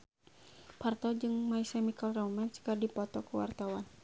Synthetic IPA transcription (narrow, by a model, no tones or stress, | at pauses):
part̪ɔd͡ʒɨŋmaisɛmikalrɔmɛnskərdipɔt̪ɔkuwa̰rt̪awan